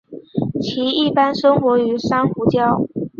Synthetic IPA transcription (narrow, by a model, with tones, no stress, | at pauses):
t͡ɕʰi˧˥i˥˩pa˥nʂɤ˥ŋxwɔ˧˥y˧˥ʂa˥nxu˧˥t͡ɕjɑ˥ʊ